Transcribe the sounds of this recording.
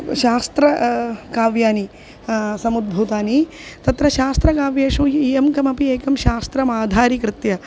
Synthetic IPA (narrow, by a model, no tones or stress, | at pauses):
ʃaːst̪ɾɐkaːʋjaːni | sɐmud̪̚bʱuːt̪aːnit̪ɐt̪ɾɐʃaːst̪ɾɐkaːʋjeːʂuijɐmkɐmɐpieːkɐmʃaːst̪ɾɐmaːd̪ʱaːɾikɾɪt̪jɐ